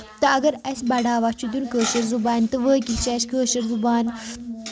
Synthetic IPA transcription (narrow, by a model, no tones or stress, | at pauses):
t̪ɐɐɡɐɾɐsʲbɐɖaːʋat͡ʃʰud̪ʲunkəːʃɐɾzubaːnʲt̪ɨʋəːkʲit̪t͡ʃʰɐʃkəːʃɐɾzubaːn